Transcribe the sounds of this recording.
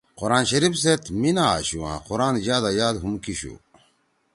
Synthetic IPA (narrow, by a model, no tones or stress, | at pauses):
qoɾaːnɕɐɾifset̪ʰminaa̰ɕuã̰quɾaːnd͡ʑaːd̪ajaːd̪ɦumkiɕṵ